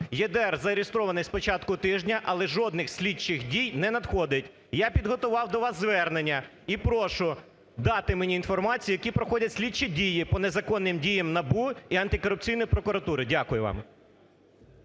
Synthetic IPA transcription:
jɐd̪ɛrzɐɐɾʲɪst̪ɾɔʋɐnɪjspɔt͡ʃɑt̪kʊt̪ɪʒnʲɐʔɐlˠɛʒɔd̪nɪxsʲlʲit͡ʃːɪxdʲijnɛnɐd̪xɔd̪ɪtʲ | japʲid̪ɦɔt̪ʊʋɑwd̪ɔʋɑszʋɛrnenʲːɐ | ipɾɔʃʊ | d̪ɑt̪ɪmenʲiːnfɔrmɑt͡sʲijɐkʲipɾɔxɔdʲɐtʲsʲlʲit͡ʃːɪdʲijipɔnezɐkɔnːɪmdʲijɐmnɐbuiɐnt̪ɪkɔɾʊp̚t͡sʲijnɔjpɾɔkʊɾɐt̪uɾɪdʲakʊjʊʋɑ̰m

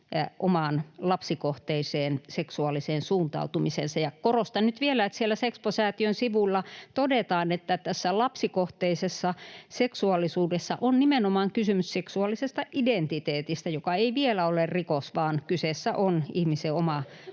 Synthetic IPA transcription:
ʔomɑːnlɑpsikoht̪eiseːnseksuɑlːˑiseːnsuːnt̪ɑ̰ut̪umisḛːnsɑjɑkorost̪ɑnnyt̪ʋielæet̪sielːˑæseksposæːt̪iønsiʋulːɑt̪odet̪ɑːnet̪ːæt̪æsːælɑpsikoht̪eisesːɑseksuɑlːˑisuːdesːɑ̰ʔonnimenomɑːŋkysymysseksuɑlːˑisest̪ɑʔident̪it̪eːt̪ist̪æjokɑeiʋielæolerrikosʋɑːnkysesːæʔonihmiseomɑ

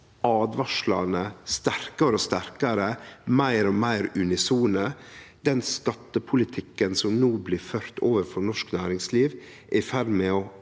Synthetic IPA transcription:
ɑːd̪ʋɑʂlɑ̰nəst̪æɾkɑɾəoːst̪æɾkɑɾəmæɪɾɔmæɪɾʉnɪsuːnəd̪ɛnskɑt̪ːəpʰʊlɪt̪ʰɪkːənsɔmnuːbliːføːɾt̪ʰoːʋəɾfɔnɔʂknæːɾɪŋsliːʋ | ʔæfæɾmeːɔ

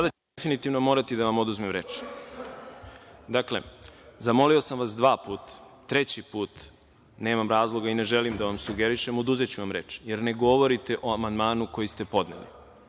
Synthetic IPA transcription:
sad̪at͡ɕed̪efinit̪iʋno̞mo̞ːɾat̪id̪aʋamo̞d̪uzmemɾet͡ʃ | d̪akle̞̰zamo̞lio̞samʋasd̪ʋaːpuːt̪ḁː | ɾe̞t͡ɕipuːt̪ | ne̞ːmamɾaːzlˠo̞ɡaine̞ʒe̞limd̪aʋamsuɡeɾiʃe̞mo̞d̪uze̞t͡ɕuʋamɾe̞̰ːt͡ʃje̞ɾne̞ɡo̞ʋo̞ɾit̪e̞ʔoamand̪maːnuko̞jist̪e̞po̞d̪nḛlḭ

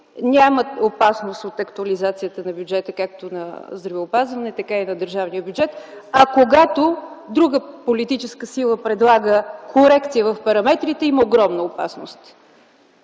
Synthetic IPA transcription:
nʲamət̪opasnost̪ot̪ɐkt̪ʊɐlizat̪sijət̪ənɐbjud͡ʒɛt̪əkak̚t̪onɐ̰zd̪ɾɐvɛopazvɐnɛt̪ɐkainɐd̪əɾʒavnijəbjud͡ʒɛt̪ɐkoɡat̪od̪ɾuɡəpolit̪it͡ʃɛskəsilˠəpɾɛd̪lˠaɡəkʰoɾɛkt̪sijəvəfpɐɾɐmɛt̪ɾit̪ɛiməoɡɾɔmnəopa̰snost̪

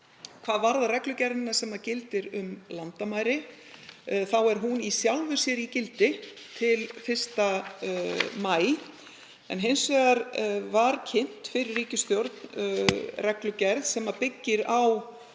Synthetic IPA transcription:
kʰvaːðvaɾðarɛklʏcɛɾðɪnːasɛmaðcɪlt̪ɪɾʏmlant̪amaːjɾɪ | θawɛɾɦunisjawlvʏsjɛɾicɪlt̪ɪ | t̪ʰɪlfɪr̥st̪a | maːj | ɛ̰nɦɪnsɛɣaɾvaɾcʰɪn̥t̪fɪɾɪɾːiːcɪst̪joɾt̪n | rɛklʏcɛɾðsɛmapɪcːɪɾaw

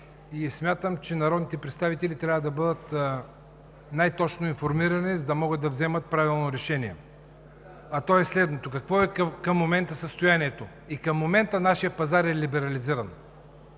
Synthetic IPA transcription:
ismʲjat̪əmt͡ʃɛnɐɾɔd̪nit̪ɛpɾɛt̪st̪avit̪ɛlit̪ɾʲavəd̪ɐbɤd̪ət̪ | najt̪ɔt͡ʃnoinfoɾmiɾɐnizɐd̪ɐmɔɡəd̪ɐvzɛmət̪̚pɾavilˠnoɾɛʃɛniɛ̰ | ɐt̪ɔɛslɛd̪not̪okɐkvɔɛkɐmːomɛnt̪əsəst̪ojaniɛt̪o | ikɐmːomɛnt̪ənaʃijəpɐzaɾɛlibɛɾɐlʲiziɾɐn

